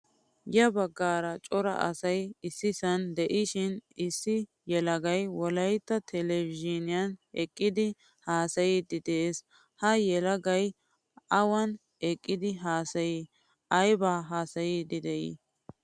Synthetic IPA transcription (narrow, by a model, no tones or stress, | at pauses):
jɐbɐɡːaːɾɐt͡ʃʼɔɾɐ̰ʔɐ̰sɐjɪsːɪsɐnd̪ɛʔɪʃɪnɪsːɪ | jɛlɐɡɐjwɔlɐjt̪ːɐt̪ʰɛlɛvɪʒɪnɪjɐnɛkʼːɪd̪ɪ | haːsɐjid̪ɪd̪eːs | hɐjɛlɐɡɐj | ʔɐwɐn | ɛkʼːɪd̪ɪɦaːsɐji | ʔɐjbaːɦaːsɐjid̪ɪd̪ɛʔḭ